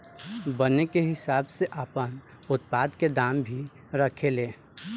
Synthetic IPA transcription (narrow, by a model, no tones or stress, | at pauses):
bənekeɦɪsaːbseʔəpən | ʊt̪̚paːd̪ked̪aːmbʱi | ɾəkʰeleː